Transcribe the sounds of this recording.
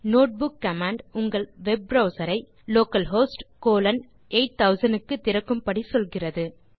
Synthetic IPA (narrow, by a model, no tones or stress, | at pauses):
noːʈ̚bʊkːɐmaːɳɖʊŋɡɐɭʋɛb̚ɾɐʊsɐɾɐɪ | loːkɐlɦoːsʈkoːlɐn | eːʈ̚t̪ɐʊsɐnɖɯkːɯt̪ːɪɾɐkːɯmpɐɽisɔlɣɪrɐðɯ